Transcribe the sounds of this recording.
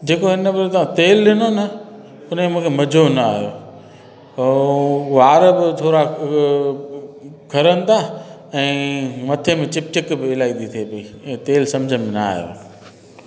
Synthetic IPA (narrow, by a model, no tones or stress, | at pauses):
d͡ʑeːkoɦɪnəbɪɾt̪ɐãt̪eːlɗɪnonɐ | ʊn̤memũːkʰemɐd͡ʑʱonɐaːɦjoː | ʋaːɾbɪt̪ʰoːɾa | kʰɐɾənɪ̆t̪ʰa | ɛ̃ːmɐt̪ʰemẽt͡ɕɪp̚t͡ɕɪkbɪɪlaːind̪it̪ʰiepɐiːt̪eːlsɐ̃md͡ʑʱənɪ̆menaa̰ːɦijo̰ː